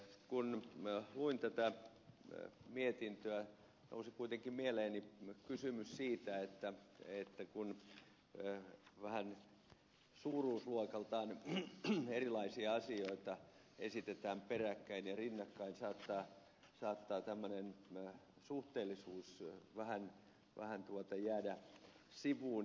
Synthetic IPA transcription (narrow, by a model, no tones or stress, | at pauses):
kunluint̪æt̪æ | miet̪int̪øæ | no̰usikuit̪eŋkimieleːnikysymyssiːt̪æet̪ːæet̪ːækun | ʋæhæn | suːruːsluokɑlt̪ɑːn | erilɑisiɑɑsioit̪ɑ | ḛsit̪et̪æːmperækːæinjɑrinːɑkːɑinsɑːt̪ːɑː | sɑːt̪ːɑːt̪æmːønen | suht̪eːlːˑisuːsʋæhæn | ʋæ̰hænt̪uot̪ɑjæːdæ | siʋuː